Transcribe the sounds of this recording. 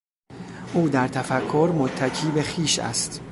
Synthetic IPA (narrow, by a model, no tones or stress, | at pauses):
ʔuːd̪æɾt̪ʰæfækʰːoɾmot̪ʰːæcʰiːbe̞xiːʃæ̰st̪